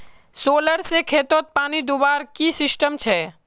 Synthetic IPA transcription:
soːləɾsekʰeːt̪oːt̪̚paːnid̪ubaːɾkisɪsʈəmt͡ʃʰɛ

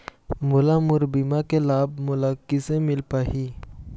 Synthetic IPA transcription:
mʊlamʊɾbimakelaːb̚mʊlakɪsemɪlpaːɦi

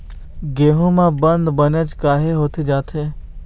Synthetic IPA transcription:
ɡeːɦomãbə̃nd̪bənət͡ʃkaːɦeɦoːt̪ed͡ʒaːt̪ʰeː

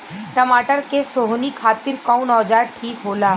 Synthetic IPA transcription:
ʈɐmaːʈəɾkesoɦnikʰaːt̪ɪɾkɔ̃ːwnɔːd͡ʒaːʈʰiːkɦoːlaː

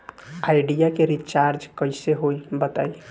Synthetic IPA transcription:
ajɖijakeɾit͡ʃaɾd͡ʒkəɪseɦojbət̪a̰j

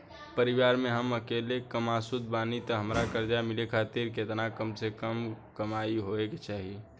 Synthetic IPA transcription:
pəɾiʋaːɾmẽɦəməkelekəmasud̪̚baːnit̪əɦəmɾakəɾd͡ʒamɪlekʰaːt̪iɾket̪nakəmsekəmkəmaiɦoeket͡ʃaːɦi

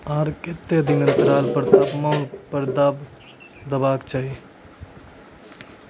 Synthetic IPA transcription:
aːɾket̪ːeəd̪ʱinənt̪ɾaːlpəɾt̪apmaːnpəɾd̪ab | d̪əbaːkt͡ʃaːɦi

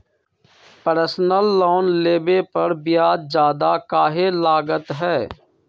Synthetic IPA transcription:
pəɾsnəlːoːnleːbepəɾbɪjaːd̪d͡ʒjaːd̪aːkaːɦeːlaːɡət̪ɦɛː

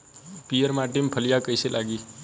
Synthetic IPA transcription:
pijəɾmaːʈimpʰəlijakəjselʔaːɡiː

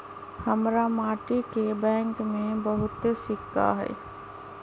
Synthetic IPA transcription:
hɐmɾamaːʈikebɛ̃ːŋkmẽbəɦʊt̪esɪkːa̰ɦɛ̰ː

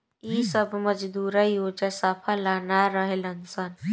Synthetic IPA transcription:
isəbməd͡ʒd̪uːɾajoːd͡ʒasapʰalaːnaɾəɦelənsən

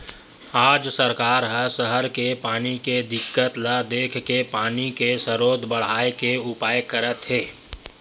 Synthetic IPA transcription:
aːd͡ʒsəɾkaːɾɦəsəɦəɾkepaːniked̪ɪkːət̪lad̪eːkʰkepaːnikesəɾoːd̪ʱbəɽ̤aːekeʊpaːjkəɾət̪ɦeː

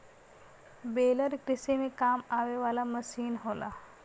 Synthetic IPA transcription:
beːləɾkɾɪsemẽkaːmaːʋeʋaːlaməsiːnɦoːla̰ː

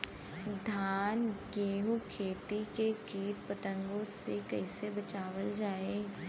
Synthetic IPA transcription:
d̪ʱaːnɡeːɦukʰeːt̪ikekeːʈ̚pɐt̪ə̃ŋɡõsekɛɪsebɐt͡ʃaːwəld͡ʒaːeː

